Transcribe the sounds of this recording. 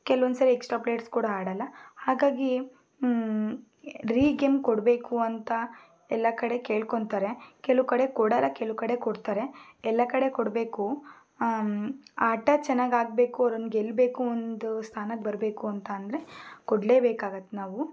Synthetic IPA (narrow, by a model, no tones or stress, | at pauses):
kɛlond̪sɐɾiɛksʈɾaːpleːʈskuːɽaaːɽɐlːɐhaːɡaːɡi | ɾiːɡemkɔɽbe̞ːkuɐnt̪ɐ | ɛlːɐkɐɽe̞ke̞ːɭkoɳt̪aːɾe̞kɛlukɐɽe̞kɔɽɐlːɐkɛlukɐɽe̞kɔɽt̪aːɾe̞ɛlːɐkɐɽe̞kɔɽbe̞ːku | aːʈɐt͡ʃɛnːaːɡaːɡ̚be̞ːkuɐɾond̪ɡelːbe̞ːkuond̪ust̪ʰaːnɐkbɐɾbe̞ːkuɐnt̪ɐːnd̪ɐɾe̞kɔɽle̞ːbeːkaːɡɐt̪ːenaːʋu